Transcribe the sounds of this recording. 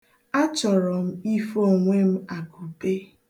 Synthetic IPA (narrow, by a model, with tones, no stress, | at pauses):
a˦t͡ʃɔ˨ɾɔ˨m̩˦i˦fo˦˨ŋʷe˦m̩˦a˨ku˨pe˦